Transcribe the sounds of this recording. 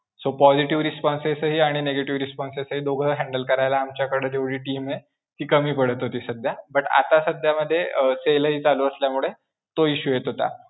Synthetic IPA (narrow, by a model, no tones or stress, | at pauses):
sopɔd͡ʑiʈiʋɾispɔnsesəɦiːaɽ̃ineɡeʈiʋɾispɔnsesəɦiːd̪oɡʱəɦɛ̃ɳɖəlkəɾajlaːmt͡ɕjakəɽəd̪eʋɽiːʈiːme | t̪iːkəmiːpəɽ̤ət̪ɦot̪iːsəd̪ʱjabəʈa̰t̪asəd̪ʱjaməd̪ʱːjeseləɦiːt͡saluəsljamuɭe | t̪oiɕuːjet̪ɦot̪a̰